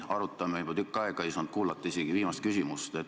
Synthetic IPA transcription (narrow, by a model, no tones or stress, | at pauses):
ɑɾut̪ːˑɑmejbot̪ykːˑɑeɡ̥ɑisɑnd̪̚kuːlɑt̪ːˑɑiseɡ̥iviːmɑst̪̚kysʲimust̪et̪